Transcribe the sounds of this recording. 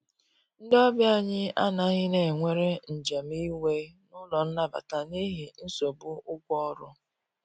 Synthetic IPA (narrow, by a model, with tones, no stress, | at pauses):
n̩˦dɔ˦bja˦˨ɲɪ˦a̰˦na˦ɣɪ˦ne˨ŋʷe˦ɾe˦n̩˨d͡ʒe˨m˦i˦we˦nʊ˦lɔ˨n̩˦na˦ba̰˨ta˨ni˦ɦi˨n̩˦so˨bʊ˦ʊ˦kʷɔ˦ɾʊ˦